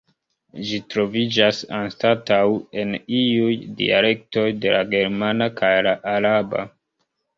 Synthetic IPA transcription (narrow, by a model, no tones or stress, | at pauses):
d͡ʒitɾo̞vid͡ʒasanstatawe̞niujdḭa̰le̞k̚to̞jde̞laɡe̞ɾmanakʰajlaʔaɾaba̰